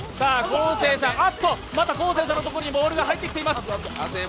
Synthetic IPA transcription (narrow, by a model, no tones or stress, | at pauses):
saːkoːse̞ːsãat̪ːo | mat̪ako̞ːs̬e̞ːs̬ãnːot̪o̞koɾoɲibo̞ːɾɯ̟ɡaɦait̪ːekʲi̥t̪e̞imasɨɨ̥